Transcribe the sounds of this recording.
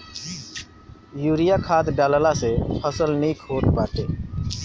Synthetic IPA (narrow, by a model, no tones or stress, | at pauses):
juːɾɪjaːkʰaːt̪ɖaːləlasepʰəsəlniːkʰoːt̪paːʈeː